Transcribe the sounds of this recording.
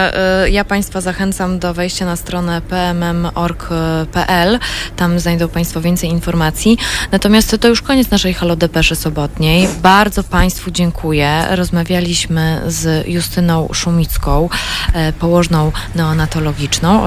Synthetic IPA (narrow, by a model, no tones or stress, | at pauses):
japaj̃st̪fazaxɛnt̪samd̪ɔvɛjɕt͡ɕanast̪ɾɔnɛpɛɛmɛmɔɾkpɛʔɛlt̪amznajd̪ɔ̃wpaj̃st̪fɔvʲɛnt̪sɛjinfɔɾmat̪sʲjinat̪ɔmʲjast̪ːɔjuʂkɔɲɛt̪snaʂɛjxɔlɔd̪ɛpɛʂɘsɔbɔt̪ɲɛjbaɾd̪zɔpaj̃st̪fud͡ʑɛŋkʰujɛɾɔzmavʲjalʲiɕmɘzjust̪ɘnɔ̃w̃ʂumʲit̪skɔ̃w̃pɔwɔʐnɔ̃w̃nɛɔnat̪ɔlɔɡʲit͡ʂnɔ̃w̃